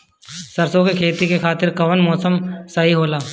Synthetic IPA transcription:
sɐɾsõkekʰeːt̪ikekʰaːt̪ɪɾkɐʋənmɔːsəmsɐɦiɦoːlaː

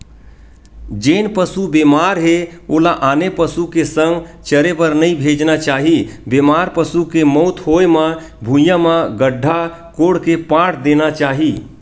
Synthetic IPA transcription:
d͡ʒenpəsubemaɾɦeolaʔaːnepəsukesə̃ŋɡt͡ʃəɾepəɾnəĩbʱed͡ʒnat͡ʃaːɦibemaɾpəsukemɔʊt̪ʰɦojma | bʱũjãmãɡəɖʱːa | koɽkepaʈʰd̪enat͡ʃaːɦi

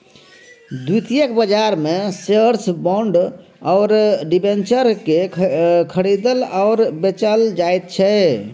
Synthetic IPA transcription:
d̪ut̪ijekbəd͡ʒaɾmeseɾsbɔɳɖ | ɔʊɾɖibent͡ʃəɾkekʰəɽid̪əlaʊɾbet͡ʃəld͡ʒajt̪̚t͡ʃʰɛ

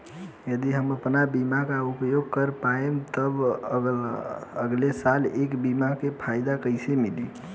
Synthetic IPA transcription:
jəd̪iɦəməpnabimakaupjoɡ̚kəɾpaemt̪əbə | əɡlesalekbimakepʰajd̪akəɪsemili

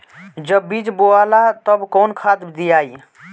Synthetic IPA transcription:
d͡ʒəbːid͡ʒboalat̪əbkɔːnkʰad̪d̪ijaːi

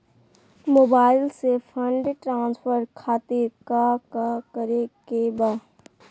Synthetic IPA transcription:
moːbaːɪlsepʰə̃ɳɖʈɾãːnspʰəɾkʰaːt̪iɾkakakəɾekeba

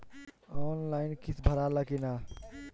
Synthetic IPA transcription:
oːnlaːɪnkit̪ʰbʱəɾalakina

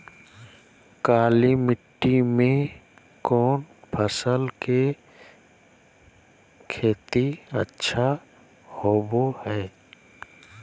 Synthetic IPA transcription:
kaːlimɪʈːimẽ | kɔːnpʰəsəlke | kʰeːt̪iətːʃʰa | hoːbohɛː

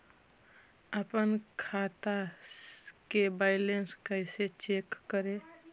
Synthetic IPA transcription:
əpənkʰat̪a | kebaɪlenskəɪset͡ʃekːəɾe

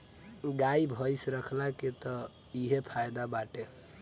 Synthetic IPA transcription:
ɡaibʱəjsɾəkʰlaket̪ɔ | iɦepʰajd̪abaʈe

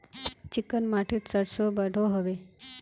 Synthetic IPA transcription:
t͡ɕikənmaʈʰiːʈsəɽsobəɽʱoɦəʋe

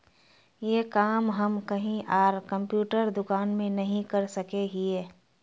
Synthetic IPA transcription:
jeːkaːmɦɐmkɐɦĩʔaːɾkɐ̃mpjuːʈəɾd̪ʊkaːnmẽnɐɦĩkɐɾsɐkeɦieː

